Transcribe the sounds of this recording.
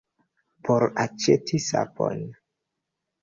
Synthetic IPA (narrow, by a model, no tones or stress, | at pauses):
poɾat͡ʃetʰisa̰po̰n